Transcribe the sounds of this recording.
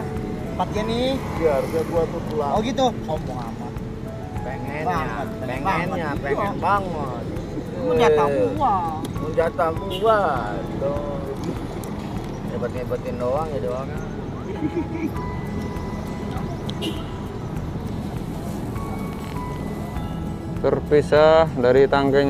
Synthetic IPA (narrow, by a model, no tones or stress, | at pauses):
pat̪̚ɲanɪbiaɾaduat̪ut̪ulaoɡit̪ʊkaubuŋa̰ma | peŋɛna | peŋɛnɲapeŋɛnbaŋə | t̪ | d͡ʒat̪amuaməɲd͡ʒat̪amua | t̪o | d͡ʒabat̪̚ŋabat̪indowaŋjadoaŋa | t̪ərpisadaɾit̪aŋɡa